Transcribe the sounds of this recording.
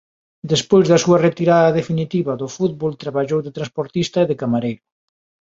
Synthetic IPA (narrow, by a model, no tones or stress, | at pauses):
d̪espojzðɐsuɐret̪iɾaðɐðefinit̪iβɐðʊfuð̚βolt̪ɾaβaʎowðɪt̪ɾanspoɾt̪ist̪ɐeðɪkamaɾejɾʊ